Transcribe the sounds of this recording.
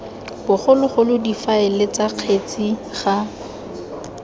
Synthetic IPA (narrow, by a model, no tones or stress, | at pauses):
b̥ʊχʊlʊχʊlʊdifaɪlɪt͡saq͡χʰet͡sʼi | χa